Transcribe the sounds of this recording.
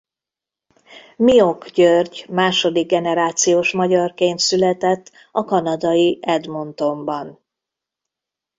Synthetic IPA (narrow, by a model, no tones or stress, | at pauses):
mio̞kɟørɟmaːʃo̞d̪iɡ̚ːɛnɛɾaːt̪sijoːʃmɒɟɒrkeːnt̪sylɛt̪ɛt̪ː | ɒkɒnɒd̪ɒjiɛd̪mo̞nt̪o̞mbɒn